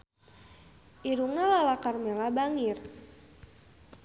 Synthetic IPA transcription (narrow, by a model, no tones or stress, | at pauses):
ʔiɾuŋalalakarmelabaŋir